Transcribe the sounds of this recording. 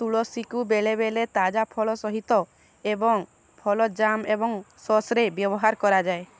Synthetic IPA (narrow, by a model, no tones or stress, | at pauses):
t̪uɭɔsikubeɭeβelet̪ad͡ʒapʰɔɭɔsɔɦit̪ɔ | ebɔŋ | pʰɔlɔd͡ʒamebɔŋsɔsɾebjɔbɔɦaɾkɔɾad͡ʒae